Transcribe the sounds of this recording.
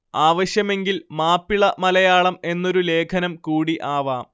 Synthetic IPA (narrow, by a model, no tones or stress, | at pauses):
aːʋɐɕjɐme̞ŋɡilmaːpːiɭɐmɐlɐjaːɭɐme̞nːo̞ɾule̞ːkʰɐnɐmkuːɽiʔaːʋaː